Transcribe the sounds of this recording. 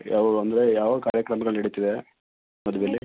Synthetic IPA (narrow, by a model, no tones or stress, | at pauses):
ɐʋɐɾuɐnd̪ɐɾe̞jaːʋɐkaːɾjɐkɾɐmɐɡɐɭniɽut̪id̪e̞ | mɐd̪uʋelːi